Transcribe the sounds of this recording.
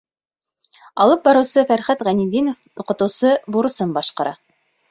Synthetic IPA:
ɑ̰lˠɤp̚bɑɾɤ̆wsɤfæɾχæt̪ʁænid̪inofuqɤ̆t̪ɤ̆wsɤbuɾɤ̆sɤnbɑʃqɑɾɑ̰

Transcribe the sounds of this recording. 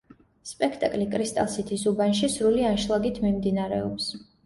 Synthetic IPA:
spʼɛkʰt̪ʼakʼlikʼɾist̪ʼalˠsit̪ʰisubanʃisɾulianʃlˠaɡit̪ʰmimd̪inaɾɛ̰ɔps

